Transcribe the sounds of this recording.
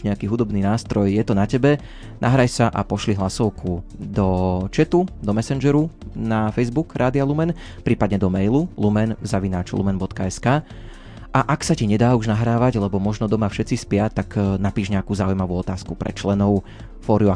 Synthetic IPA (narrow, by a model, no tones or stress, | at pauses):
ɲɛakiːɦud̪ɔbniːnaːst̪ɾɔjjɛt̪ɔnacɛbɛ | naɦɾajsaʔa̰pɔʃliɦlasɔʊkʰud̪ɔt͡ʃɛt̪ud̪ɔmɛsɛnd͡ʒɛɾunafɛjzbukɾʔaːd̪ialumɛn | pɾiːpad̪ɲɛd̪ɔmɛjlulumɛnzaʋinaːt͡ʃlṵmɛnbɔt̪kaɛskaː | ʔaʔaksaciɲɛd̪aːuʒnaɦɾaːʋaɟlɛbɔmɔʒnɔd̪ɔmafʃɛt̪t͡sispɪat̪aknapiːʒɲɛakuːzaujmaʋuɔt̪aːskupɾɛ̰t͡ʃlɛnɔʊ | fɔːɾijua